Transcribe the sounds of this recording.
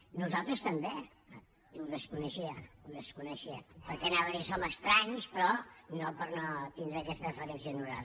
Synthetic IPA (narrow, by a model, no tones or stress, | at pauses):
nuzalˠt̪ɾəst̪əmbe | uðəskunəʃiəuðəskunəʃiəpəɾkɛnaβəisoməst̪ɾaɲspɾɔnopəɾnot̪ind̪ɾəːkɛst̪əfəɾɛnsiənuɾa̰l